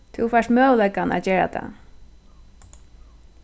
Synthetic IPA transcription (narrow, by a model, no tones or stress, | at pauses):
t̪ʰufaʂt̪mœːlɛkana̰ːt͡ɕeːɹa̰t̪ʰa̰